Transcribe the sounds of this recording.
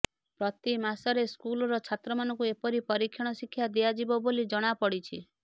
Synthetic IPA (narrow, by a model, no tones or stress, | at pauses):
pɾɔt̪imasɔɾeskulɔɾɔt͡ʃʰat̪ɾɔmanɔŋkuepɔɾipɔɾikʰːjɔɽ̃ɔsikʰːjad̪iad͡ʒibɔbolid͡ʒɔɽ̃apɔɽit͡ʃʰi